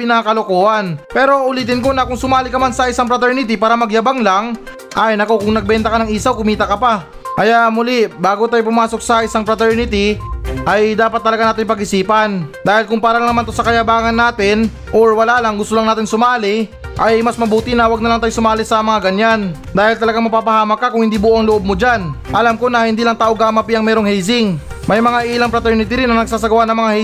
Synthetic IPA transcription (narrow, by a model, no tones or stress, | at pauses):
pɪnakɐlokoːʔɐnpɛːɾo̞ʔʊliːt̪ɪnko̞nɐkʊŋsʊmaːlɪkɐmansɐʔɪsaŋp̬ɾɐt̪ɛɹnɪt̪ɪpaːɾɐmɐɡjɐbaŋlaŋ | ʔajnɐko̞kʊŋnɐɡ̚bɛnt̪ɐkɐnɐŋʔiːsɐwkʊmiːt̪ɐkɐpa | ɐjaʔmʊlibaːɡot̪aːjp̬ʊmaːso̞k̚sɐɪsaŋpɾɐt̪ɛɹnɪt̪iʔɐjd̪aːpɐt̪̚ːɐlɐɡanaːt̪ɪŋpɐɡʔɪsiːpɐnd̪aːhɪlkʊŋpaːɾɐnɐnɐmant̪osɐkɐjɐbaːŋɐnːaːt̪ɪn | ʔoɹwɐlaːlaŋɡʊst̪olɐŋnaːt̪ɪnsʊmaːlɪʔɐjmɐsmɐbuːt̪ɪnɐwɐɡnɐlaŋt̪ajosʊmaːlɪsɐmɐŋaɡɐɲan | d̪aːhɪlt̪ɐlɐɡaŋmɐpaːpɐhaːmɐkːakʊŋhɪnd̪iːbʊʔoʔɐŋlʊʔob̚mod͡ʒanʔɐlamko̞nɐhɪnd̪iːlɐŋt̪aːʔoɡaːmɐpiʔɐŋmɛːɾoŋhɛjsɪŋ | mɐjmɐŋaʔiːlɐŋpɾɐt̪ɛɹnɪt̪ɪɾɪnːɐŋnɐɡ̚s̬aːs̬ɐɡɐwanɐŋmɐŋahɛ